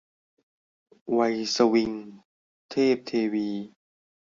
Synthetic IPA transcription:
wa˧jsa˧wi˧ŋ | t̪ʰeː˥˩p̚t̪ʰeː˧wiː˧

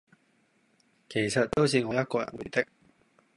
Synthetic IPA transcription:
kʰe˨˩jsɐ˨t̚t̪o˥wsiː˨˧ŋɔː˧jɐ˥t̚kɔː˧jɐ̰˨˩nwṵ˨˩jt̪ɪ˥k̚

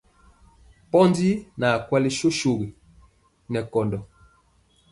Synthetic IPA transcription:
pɔ˦ndi˦na˨kwɛ˦li˦ʃo˦ʃo˨ɣi˨ | nɛ˨kɔ˨ndɔ˨

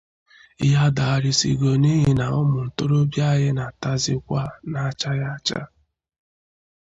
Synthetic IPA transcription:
ɪ˦ɦa˦da˨a˨ɾɪ˦sḭ˨ɡo˨ni˦ɦɪ˦na˨ɔ˦mʊ˨n̩˨to˦ɾo˦bja˦ɦɪ˦na˨ta˦zɪ˦kʷa˦na˨˦t͡ʃa˦ja˦t͡ʃa̰˦

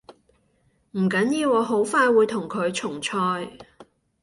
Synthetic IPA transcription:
m̩˨˩kɐ˨˥njiː˧wɔː˨˧ɦo˨˥wfaː˧jwuː˨˧jt̪ʰʊ˨˩ŋkʰɵ˨˧ɥt͡ʃʰʊ˨˩ŋt͡ʃʰɔː˧j

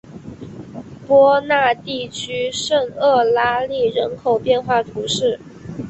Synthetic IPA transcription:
pwɔ˥na˥˧t̪i˥˩t͡ɕʰy˥ʂə˥˧ŋɤ˥˩la˥li˥˩ɻə˧˥nkʰo˨˩ʊpjɛ˥˧nxwa˥˩t̪ʰu˧˥ʂɻ̩˥˩

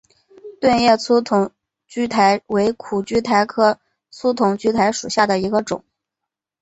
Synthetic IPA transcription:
t̪wa˥˧njɛ˥˩t͡sʰu˥t̪ʰʊ˧˩ŋ | t͡ɕy˥t̪ʰa˧˥ɪwe˧˥ɪkʰu˨˩t͡ɕy˥t̪ʰa˧˥ɪkʰɤ˥˩ | t͡sʰu˥t̪ʰʊ˧˩ŋt͡ɕy˥t̪ʰa˧˥ɪʂu˨˩ɕja˥˩d̪ə˩i˧˥ɡə˧ʈ͡ʂʊ̰˨˩˦ŋ

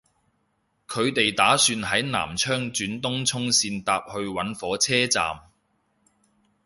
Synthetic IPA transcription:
kʰɵ˨˧ɥt̪e˨jt̪aː˨˥syː˧nhɐ˨˥jna̰ː˨˩mt͡ʃʰœː˥ŋt͡ʃyː˨˥nt̪ʊ˥ŋt͡sʰʊ˥ŋsiː˧nt̪aː˧p̚hɵ˧ɥwɐ˨˥nfɔː˨˥t͡sʰɛː˥t͡sa̰ː˨m

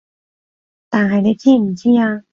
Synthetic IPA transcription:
t̪aː˨nɦɐ˨jne˨˧jt͡sʰiː˥m̩˨˩t͡siː˥aː˧

